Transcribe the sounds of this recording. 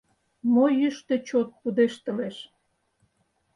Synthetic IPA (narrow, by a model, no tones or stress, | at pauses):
mojyʃt̪ĕt͡ɕot̪̚pud̪eʃt̪ə̆leʃ